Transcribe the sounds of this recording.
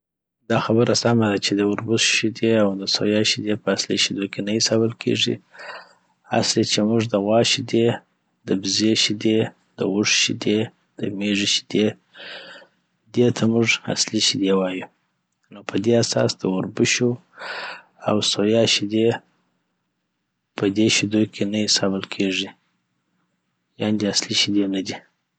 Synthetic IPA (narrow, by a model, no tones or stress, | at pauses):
d̪ɑxabəɾasamad̪at͡ʃed̪əʊɾbʊsʃid̪eawd̪əso̰jɑʃid̪epəasliʃid̪okʰenəjisawəlkʰḛʐḭ | a̰slet͡ʃemuʐd̪əɣwɑʃid̪e | d̪əbzeʃid̪e | d̪̥əɣʊʂʃid̪e | d̪̥əmeʐiʃi̥d̪̥e | d̪et̪ʰamʊʐa̰sliʃid̪ewɑju | nopʰəd̪easɑ̰sd̪əʊɾbʊʃu | awsojɑʃid̪e | pʰəd̪eʃid̪okʰenajisɑbəlkʰeʐi | jɑnd̪easliʃid̪enad̪i